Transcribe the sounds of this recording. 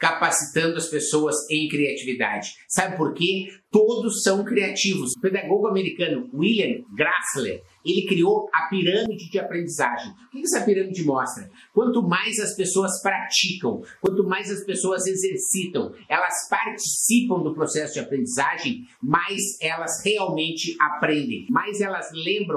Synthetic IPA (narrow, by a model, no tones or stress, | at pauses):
kapasit̪ɐ̃nd̪ʊɐspesowɐzẽj̃kɾiat͡ʃivid̪a̰d͡ʒɪsabɪpoɾket̪od̪ʊsːɐ̃w̃kɾiat͡ʃivʊsʊped̪aɡoɡʊameɾikɐ̃nʊwiliɐ̃ɡɾaslḛɾ | elɪkɾiowɐpiɾɐ̃mid͡ʒɪd͡ʒɪapɾẽnd͡ʒizaʒẽj̃ʊkɪkɪɛsɐpiɾɐ̃mid͡ʒɪmɔst̪ɾɐ | kwɐ̃nt̪ʊmajzɐspesoɐspɾat͡ʃikɐ̃w̃kwɐ̃nt̪ʊmajzɐspesoɐzezeɾsit̪ɐ̃w̃ɛlɐspaɾt͡ʃi̥sipɐ̃w̃d̪ʊpɾosɛsʊd͡ʒɪapɾẽnd͡ʒizaʒẽj̃majzɛlɐsheawmẽnt͡ʃɪapɾẽnd̪ḛ̃j̃majzɛlɐzlẽmbɾɐ̃w